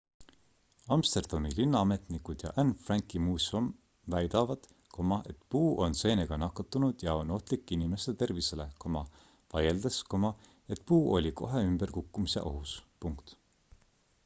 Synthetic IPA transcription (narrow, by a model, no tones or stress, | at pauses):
ɑmst̪e̞rd̪̥ɑmilinːɑɑme̞t̪nikud̪̥jɑ̰ʔænfrɑŋkˑimuːsom | væjd̪̥ɑvɑd̪̥ | kʰo̞mɑʔe̞t̪puːʔo̞nse̞ːne̞ɡ̥ɑnɑkːˑɑt̪ːˑunud̪̥jɑo̞no̞ht̪likːˑinime̞st̪et̪e̞rvise̞le̞komɑ | vɑjeld̪̥eskomɑ | e̞t̪puːʔo̞̰lʲiko̞ɦe̞ymb̥e̞rkukˑːumise̞̰ʔoɦuspuŋkt̪